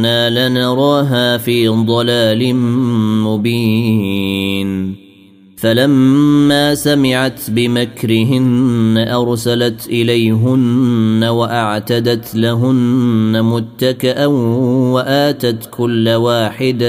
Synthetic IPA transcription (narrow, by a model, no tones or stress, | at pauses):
naːlɪnɑɾˤɑːɦaːfiːd̪ˤɑlaːl | mʊbiː | n | falamːaːsamɪʕat̪bɪmakɾɪɦɪnːaʔɑɾˤsalat̪ʔɪlajɦʊnːawaʔaʕt̪ad̪at̪laɦʊnːamʊt̪ːakɪʔawaʔaːt̪at̪kʊlːawaːħɪd̪